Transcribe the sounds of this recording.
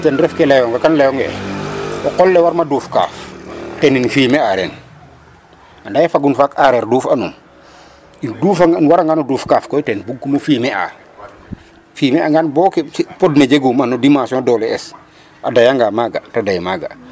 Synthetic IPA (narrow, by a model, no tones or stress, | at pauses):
tɛnɾɛfkɛlɛjɔŋɡɐkanlɛjɔŋɡɛ | ɔkɔlːɛwaɾmaduːfka̰ːftɛninfiːmɛaɾɛn | andajɛfaɡunfakaɾɛɾduːfɐnum | induːfanwaɾaŋɡanuduːfkaːfkɔjtɛnbuɡːumufiːmɛa̰ | fiːmɛaŋɡanbɔːkɛspɔdned͡ʒeɡumɐnudimãsiɔ̃dɔːlɛɛs | ʔadɐjaŋɡamaɡatadɐjmaːɡa̰